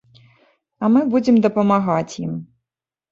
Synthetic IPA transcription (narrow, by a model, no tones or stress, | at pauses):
ɐmɨbud͡zʲɛmd̪ɐpɐmaɣat͡sʲjḭm